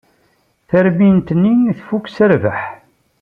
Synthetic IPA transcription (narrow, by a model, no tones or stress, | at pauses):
θæɾmint̪nːiθfukːsəɾvə̰ħ